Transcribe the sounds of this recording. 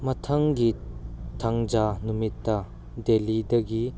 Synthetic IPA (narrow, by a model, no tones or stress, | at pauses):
mɐtʰɐŋɡitʰaŋd͡ʒanumitːɐ | delidɐɡi